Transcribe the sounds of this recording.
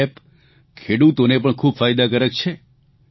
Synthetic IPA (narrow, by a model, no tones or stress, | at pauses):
p | kʰeɽut̪onepəɳkʰubfajd̪akəɾək̚t͡ʃʰe